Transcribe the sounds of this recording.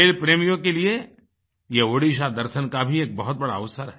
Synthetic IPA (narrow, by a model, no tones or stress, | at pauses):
eːlpɾeːmijõkelie | jeoːɽiʃ̬ad̪ɐɾʃənkabʱieːk̚bɐɦʊt̪̚bɐɽaɐʊsəɾɦɛ